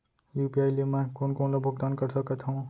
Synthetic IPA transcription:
juːpiaːjliemɛ̃ːkoːnkoːnlobʱʊɡ̚d̪aːnkəɾsəkət̪ɦũ

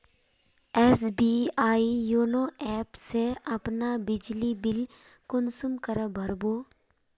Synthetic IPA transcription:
ɛːsbiːaːijoːnoɛːpseɐpnabɪd͡ʒlibɪl | kʊnsʊmkəɾəbʱəɾboː

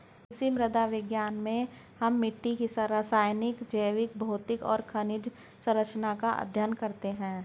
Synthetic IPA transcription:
ɪsimɾəd̪aʋɪɡjaːnmẽ | hɐmːɪʈːikisɐɾasaːjnɪkd͡ʒəjʋɪk̚bʱoːt̪ɪkɔ̰ːɾkʰɐnɪd͡ʒ | sɐ̃ɾəkʃənakaʔɐ̰d̪ʱjənkɐɾt̪eɦɛ̃ː

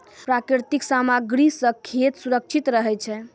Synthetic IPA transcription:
pɾakɾiɾt̪iksamaɡɾisə̃kʰːet̪suɾək̚t͡ʃʰit̪ɾəɦɛt͡ʃʰɛ

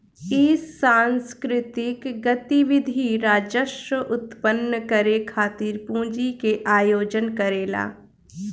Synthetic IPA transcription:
ɪsːãːnskɾɪt̪ɪkɡət̪iʋɪd̪ʱiɾaːd͡ʒəʃəʔʊt̪pənːəkəɾekʰaːt̪iːɾpũːd͡ʒikeʔaːjoːd͡ʒənkəɾeːla̰ː

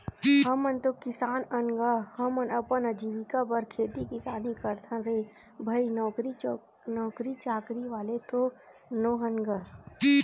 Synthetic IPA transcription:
ɦəmənt̪okɪsaːnənɡahəmənɐpənəd͡ʒiʋɪkabəɾkʰeːt̪ikɪsaːnikəɾt̪ʰãɾeː | bʱɐinɔːɾi | nɔːkɾit͡ʃaːkɾiʋaːlet̪o | noːɦənɡa

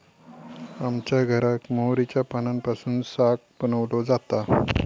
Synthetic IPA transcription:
amt͡ɕjaɡʱəɾakmowɾit͡ɕjapanampasuːnsak̚bənəʋlod͡zat̪a

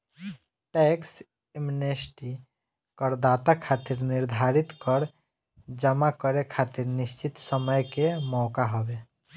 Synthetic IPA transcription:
ʈeks | emunesʈi | kəɾd̪at̪akʰat̪iɾniɾd̪ʱaɾit̪kəɾ | d͡ʒəmakəɾekʰat̪iɾnist͡ʃit̪səməjkemɔkaɦɔbe

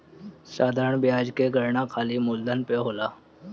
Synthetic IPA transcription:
sad̪ʱaɾəɳbjad͡ʑkeɡʱəɾɳakʰaliːmuld̪ʱənpeɦola

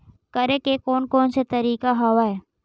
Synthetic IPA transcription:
kɐɾekekoːnkoːnset̪ɐɾiːkaɦoʋaɦɛː

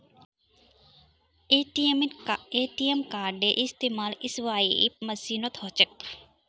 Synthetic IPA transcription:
eːʈiemkaːɾɖeʔist̪eːmaːlisʋaːipmɐsiːnot̪hot͡ʃək̚

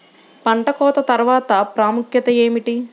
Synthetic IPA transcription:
pɐɳʈɐkɔːt̪ɐt̪ɐɾʋaːt̪ɐpɾaːmukʰjɐt̪ɐe̞ːmiʈi

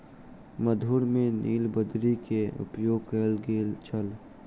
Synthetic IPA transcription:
məd̪ʱuɾmẽniːlbəd̪ɾikeʊ̰pjoːɡ̚kəlɡelt͡ʃʰəl

